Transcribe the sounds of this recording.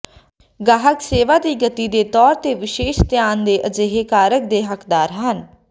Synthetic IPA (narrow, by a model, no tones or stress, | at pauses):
ɡaːɦəkseːʋaːd̪iːɡət̪iːd̪eːt̪ɔːɾt̪eːʋɪʃeːʃt̪ɪjaːnd̪eːʔəd͡ʒeːɦeːkaːɾək̚d̪eːɦəkd̪aːɾɦən